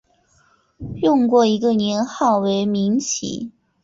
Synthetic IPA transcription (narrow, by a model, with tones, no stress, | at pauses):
jʊ˥˧ŋkwɔ˥˩i˧˥ɡə˧˨njɛ˧˥nxɑ˥˩ʊwe˧˥ɪmi˧˥ŋt͡ɕʰḭ˨˩˦